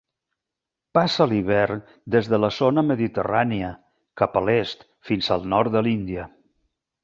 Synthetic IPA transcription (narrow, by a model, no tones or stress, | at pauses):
pasəliβ̞ɛr | d̪ezðələzonəməðit̪əraniə | kapəlest̪ | finzəlˠnɔɾt̪d̪əlind̪iə